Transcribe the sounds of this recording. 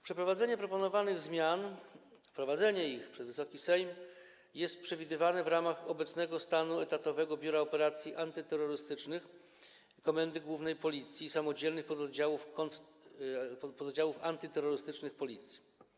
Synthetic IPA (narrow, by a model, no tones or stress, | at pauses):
pʂɛpɾɔvad̪zɛɲɛpɾɔpɔnɔvanɘɣzmʲjan | fpɾɔvad̪zɛɲɛixpʂɛzvɘsɔkʲisɛjm | jɛst̪̚pʂɛvʲid̪ɘvanɛvɾamaxɔbɛt̪snɛɡɔst̪anuɛt̪at̪ɔvɛɡɔbʲjuɾaɔpɛɾat̪sʲjiʔant̪ɘt̪ɛɾːɔɾɘst̪ɘt͡ʂnɘx | kɔmɛnd̪ɘɡwuvnɛjpɔlʲit̪sʲjisamɔd͡ʑɛlnɘxpɔd̪ɔd̪d͡ʑawufkɔ | pɔd̪ɔd͡ʑawufant̪ɘt̪ɛɾːɔɾɘst̪ɘt͡ʂnɘxpɔlʲit̪sʲji̥